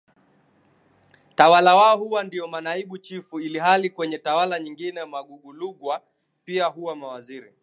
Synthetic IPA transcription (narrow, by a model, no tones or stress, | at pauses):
tawalawaɔhuwandiɔmanaiɓut͡ʃifuiliɦalikwɛɲɛtawalaɲiŋɡinɛmaɠuɡuluɡwa | piaɦuwamawaziɾi